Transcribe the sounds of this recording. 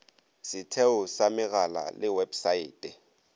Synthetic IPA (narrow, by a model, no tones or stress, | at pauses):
sɪtʰɛʊsamɪɣala̰lɪwɛbsaiːtʼɛ